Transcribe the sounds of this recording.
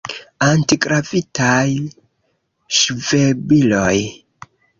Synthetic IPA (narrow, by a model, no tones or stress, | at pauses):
antiɡɾavitaj | ʃve̞bilo̞j